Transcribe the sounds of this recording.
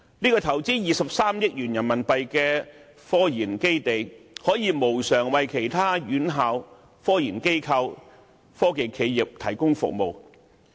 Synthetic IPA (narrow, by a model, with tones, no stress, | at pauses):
niː˥kɔː˧t̪ʰɐ˨˩wt͡siː˥jiː˨˧sɐ˨p̚saː˥mjɪ˥k̚jyː˨˩njɐ˨˩nmɐ˨npɐ˨jkɛː˧ | fɔː˥jiː˨˩nke˥jt̪e˨jhɔː˨˥jiː˨˧mo˨˩wsœː˨˩ŋwɐ˨jkʰe˨˩jt̪ʰaː˥jyː˨˥nɦaː˨˧w | fɔː˥jiː˨˩nke˥jkʰɐ˧w | fɔː˥ke˨jkʰe˨˧jjɪ˨p̚t̪ʰɐ˨˩jkʊ˥ŋfʊ̰˨k̚mo˨w